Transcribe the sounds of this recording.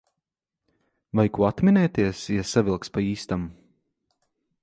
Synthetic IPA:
vajkuat̪minɛːt̪iɛsjasavilˠkspaiːst̪am

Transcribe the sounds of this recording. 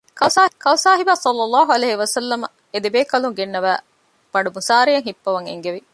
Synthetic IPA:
kɐkɐusaːɦibaːsɐlːɐlːɑːɦuɐleːɦiʋɐsɐlːɐmɐ | ed̪ebeːkɐluŋɡenːɐʋæː | b̥ɐɳɖumusaːɾijɐŋɦipːɐʋɐŋḛŋɡeʋi

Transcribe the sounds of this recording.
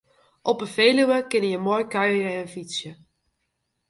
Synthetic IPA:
ʔɔpəfeːlywəkɪnəjəmoːjkœɥəənfit͡sjə

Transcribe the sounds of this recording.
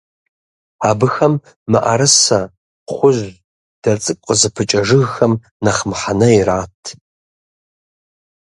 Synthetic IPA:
aːbɨxɐmː | ɨ̰ʔɐ̰ɾɨsɐ | χʷʊʒʷ | d̥ɐt͡sʼɨkʷʼqʼəzɨpʰɨt͡ʃʼɐʐɨɣxɐm | nɐχəmħanɐiraːtʰ

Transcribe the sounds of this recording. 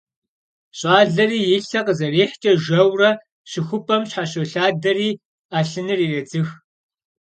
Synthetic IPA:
ɕʼaːɮɐriːjɪɬɐqəzɐreːħt͡ʃʼɐʒɐwrɐ | ɕɪxʷʊpʰʼɐmɕħaɕɐɬaːdɐriː | aːɬɨnɨriːreːd͡zɨx

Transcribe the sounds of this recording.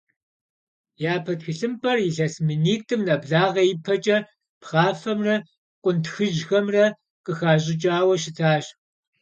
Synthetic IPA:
jaːpʰɐtxiɬɨmpʰɐrjɪɬɐsmɨniːk̚tʰʼɨmnɐbɮaːʁɐjɪpʰɐt͡ʃʼɐ | pʰχaːfɐmrɐ | qʷʼʊntxɨʒxɐmrɐ | qʼəxaːʑʼɪt͡ʃʼaːwɐʃ̬ɪtʰaːɕ

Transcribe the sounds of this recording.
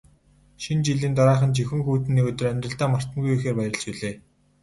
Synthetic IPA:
ʃint͡ɕiɮiːnt̪aɾaːχə̆nt͡ɕixɵ̆ŋxuːt̪ɘ̆nːiːɵt̪ɵ̆ræmʲt̪rə̆ɮt̪aːmar̥t̪ə̆ŋɡujuxeːrpæjɾə̆ɮt͡ɕuɮeː

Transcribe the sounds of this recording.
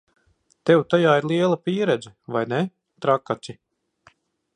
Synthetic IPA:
t̪ɛwt̪ajaːiɾlˠiɛlˠapʲiːɾɛd̪zɛvajnɛ | t̪ɾakːat̪ʲi

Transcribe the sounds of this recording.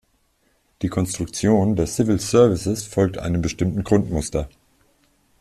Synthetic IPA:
d̥iːkʰɔnstʁ̥ʊk̚t͡sjoːndeːɐsɪvɪlsœɐvɪsəsfɔlk̚tʔa̰ɪnənbəʃtɪmtn̩ɡʁʊntmʊstɐ

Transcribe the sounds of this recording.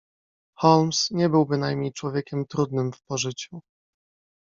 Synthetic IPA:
xɔlmsɲɛbɘwbɘnajmɲejt͡ʂwɔvʲjekʲɛmt̪ɾud̪nɘmfpɔʐɘt͡ɕu

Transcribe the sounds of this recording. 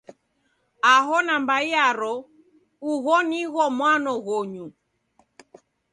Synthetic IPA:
aɦɔnambaiaɾɔ | uɣɔniɣɔmwanɔɣɔɲu

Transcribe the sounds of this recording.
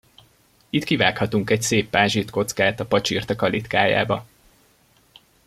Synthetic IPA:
it̪kivaːkhɒt̪uŋkɛcseːpːaːʒit̪ko̞t̪skaːt̪ɒpɒt͡ʃiːrt̪ɒkɒlit̪kaːja̰ːbɒ

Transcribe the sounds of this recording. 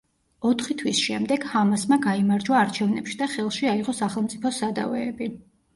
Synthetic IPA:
ɔt̪ʰχit̪ʰwisʃɛmd̪ɛɡ̥hamasmaɡaimaɾd͡ʒwaːɾt͡ʃʰɛvnɛpʃid̪aχɛlˠʃiaiʁɔsaχɛlˠmt̪sʼipʰɔsad̪a̰vɛːbi

